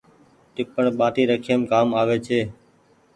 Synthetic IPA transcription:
ʈɪpəɳɓaːʈiːɾəkʰiəmkaːmaːʋeːt͡ʃʰeː

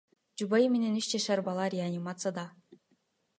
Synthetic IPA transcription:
d͡ʒubajimenenyt͡ʃd͡ʒɑʃaɾbalˠɑɾʲeanʲimat̪sɨjad̪ɑ

